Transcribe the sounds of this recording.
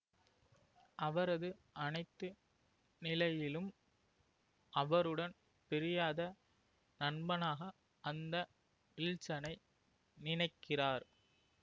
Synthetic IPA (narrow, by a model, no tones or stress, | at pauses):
ʔɐʋɐɾɐðɯʔɐnɐɪt̪ːɯ | nɪlɐjɪlɯm | ʔɐʋɐɾɯɽɐn | pɛɾɪjaːðɐ | nɐɳbɐnaːɣɐ | ʔɐnd̪ɐ | ɪlt͡ʃːɐnɐɪ | nɪnɐɪkːɪraːɾ